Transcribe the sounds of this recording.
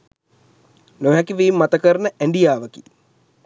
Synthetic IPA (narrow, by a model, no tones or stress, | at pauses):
noɦɛkiʋiːmːat̪əkəɾnəʔæɳɖijaːʋəkḭ